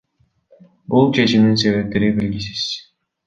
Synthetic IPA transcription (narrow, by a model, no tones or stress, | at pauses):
bulˠt͡ʃʰe̞t͡ʃimd̪ins̬e̞βe̞p̚t̪eɾibelɡis̬iz̥